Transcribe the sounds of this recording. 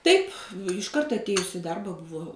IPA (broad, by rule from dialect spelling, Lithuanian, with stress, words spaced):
ˈtɐɪp ɪʃˈkɐrt ɐtʲˈeːjʊs ɪ ˈdɐrbɐ ˈbʊʋoː